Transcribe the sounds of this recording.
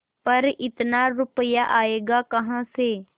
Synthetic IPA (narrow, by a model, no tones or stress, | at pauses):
pɐɾɪt̪naɾʊpəjaʔaːeːɡakɐɦãseː